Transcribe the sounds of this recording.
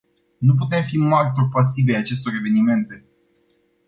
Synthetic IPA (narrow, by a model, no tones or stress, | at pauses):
nup̬ut̪e̞mfimarʲt̪orpas̬ivejat͡ʃe̞st̪o̞ɾe̞ve̞nime̞nt̪e̞